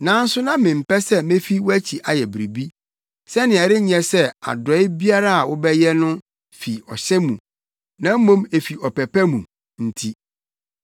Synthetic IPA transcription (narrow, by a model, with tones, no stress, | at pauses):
nã˨˦n̩˦sʊ˦nã˦mɪ̃˨m̩˨pɛ˦sɛ˦mẽ˦fi˦wʊ˦æ˦t͡ɕʰi˨ʔa˨jɛ˨bɾi˨bi˦ | sɛ˦nɪ̃˨ɛ˨ɾɪ˦ɲ˦ɛ̃˨sɛ˦a̰˨dɔ˨˦ɪ˦bi˦a˦ɾa˦a˨wʊ˦bɛ˦jɛ˦nʊ̃˦ | fi˨ɔ̰˨ɕɛ˦mũ˨ | nã˦m̩˦mõ˦me˨fi˨ɔ˨pɛ˨pɛ˦mũ˨ | n̩˨tʰi˦